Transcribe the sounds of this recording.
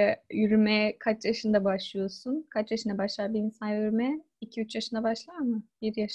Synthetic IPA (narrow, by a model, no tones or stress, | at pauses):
jyɾymɛkʰat͡ʃjaʃɯnd̪abaʃlˠɯjo̞sunkʰat͡ʃjaʃɯnd̪abaʃlˠaɾbiinsanjyɾymɛ | icʰiyt͡ʃjaʃɯnd̪abaʃlˠaɾmɯbiɾjaʃ